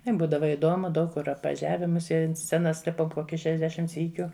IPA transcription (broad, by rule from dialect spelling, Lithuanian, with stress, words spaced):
ˈtʲɛn ˈbuːdɐʋɐ ɪˈdoːmʊ ˈdɐʊk kʊr ɐpʋɐˈʒʲæːʋʲɛ mʊˈsʲiɛ ɐnt ˈsʲt͡sʲæːnɐs ˈlʲɪpoːm ˈkoːkʲɪ ʃʲɛʒʲˈdʲæːʃʲɪm ˈsʲiːkʲʊ